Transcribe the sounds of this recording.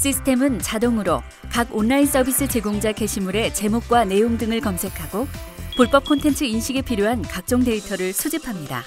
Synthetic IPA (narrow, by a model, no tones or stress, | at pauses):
ɕ͈ʰisʰɯ̥tʰe̞mɯnt͡ɕadoŋɯɾo | kaɡonːains͈ʌbis͈ɯt͡ɕe̞ɡoŋd͡ʑake̞ɕʰimuɾe̞t͡ɕe̞mok̚k͈wane̞joŋdɯŋɯɭkʌmsʰe̞kʰaɡo | puɭp͈ʌp̚kʰontʰe̞nt͡ɕʰɯinɕʰiɡepʰiɾjoɦankak̚t͡ɕ͈oŋde̞itʰʌɾɯɭsʰud͡ʑipʰamɲida̰